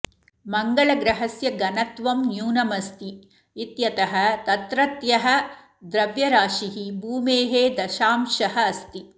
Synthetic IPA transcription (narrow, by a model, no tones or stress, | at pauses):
mɐŋɡɐɭɐɡɾɐɦɐsjɐɡɐnɐt̪ʋɐmnjuːnɐmɐst̪iː | t̪jɐt̪ɐɦɐ̆t̪ɐt̪ɾɐt̪jɐɦɐ̆ | d̪ɾɐʋjɐɾaːʃiɦibʱuːmeːɦeːd̪ɐʃaːmʃɐɦɐːst̪i